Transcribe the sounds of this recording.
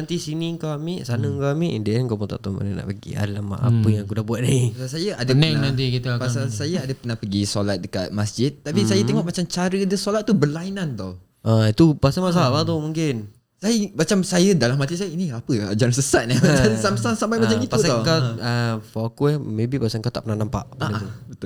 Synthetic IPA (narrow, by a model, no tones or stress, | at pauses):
nãnt̪isiniŋkawamiʔsanəŋkawamiʔindiʔɛnkapʊnt̪aʔt̪ɔmə̰nana̰ʔpəɡḭa̰dalama̰pəjãŋkudahbuaʔ̪̚nipasasajəʔadaɛŋnãnt̪ikit̪əpasalsajəadəpərnahpəɡisolat̪̚dəka̰t̪̚masd͡ʒɪt̪̚t̪ːapisajət̪eŋɔʔmat͡ʃamt͡ʃaɾədəsolat̪̚ːubərlainant̪ɔh | ʔait̪upasamas̬alaʔbat̪ɔmuŋkɪn | sajəmat͡ʃamsajədalamːat̪isajəiniapəa̰d͡ʒaɾansəsaʔ̪̚nadansamsasampajmat͡ʃamitpaut̪ɔkaəfokumẽbipasaŋkat̪aʔpənahnampa̰ʔpəat̪ubət̪ʊ